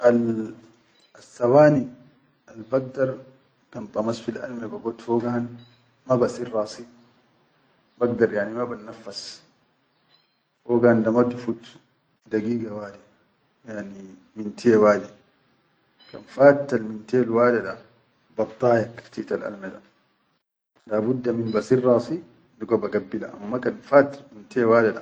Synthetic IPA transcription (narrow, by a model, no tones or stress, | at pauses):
ʔal | asːawaːni | ʔalbaɡ̚daɾˤ | kantʼˤɑmasfilʔa̰lmɛbaɡɔt̪fɔɡan | mabasiɾːaːsi | baɡ̚daɾjaʕnimabanːafːas | fɔɡandamatufut̪ | daɡiːɡawaːdɛ | jaʕni | mintʰiɛwaːdɛ | ka̰nfaːtːalmintɛlwaːdɛɗa | bɑbt̪ˤːɑːjakɾt̪italʔa̰lmɛda̰ | laːbudːaminbasiɾːɑsi | dukɔbaɡabːila̰ʔa̰mːakanfaːtːalmintɛwaːdɛɗa̰